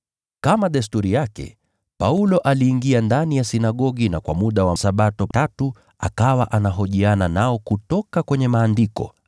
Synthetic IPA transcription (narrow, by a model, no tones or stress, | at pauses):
kamaɗɛs̬tuɾijakɛ̰ | paulɔʔaliːŋɡiandanijasinaɠɔɠinakwa̰muɗawasaɓatɔtatu | a̰kawaʔanaɦɔʄiananaɔkutɔkakwɛɲɛmaːndikɔ̰